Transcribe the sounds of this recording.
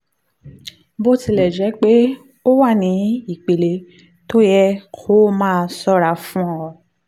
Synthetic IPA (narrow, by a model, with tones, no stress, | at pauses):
bo˦ti˧˦lɛ˨d͡ʒɛ˨˦k͡pe˦ | o˦wa˦˨nĩ˨˦i˦˨k͡pe˨le˨ | to˦jɛ˦kʰo˦mãː˦˧sɔ˦ɾa˧fũ˦ɔ˦ɔ˧